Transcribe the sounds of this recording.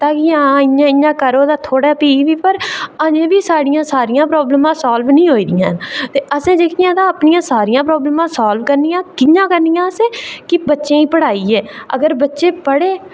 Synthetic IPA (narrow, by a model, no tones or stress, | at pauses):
t̪ãːkɪãɪɲãːɪɲːãːkəɾoːd̪aːt̪ʰoːɽaːpiːʋiːpəɾəd͡ʒẽːbiːsaːɽɪjãːsaːɾɪjãːpɾoːbləmãːsaːlʋnĩːɦoːiːd̪ɪjã̰ːt̪eːʔəsẽːd̪eːkʰɪjãːd̪ãːəpnɪjãːsaːɾɪjãːpɾɔːbləmãːsaːlʋkəɾnijãːkɪɲãːkəɾnɪjãːəsẽːkɪbətːʃẽːĩːpəɽaːiːɛːə̰ɡəɾbətːʃeːpəɽeː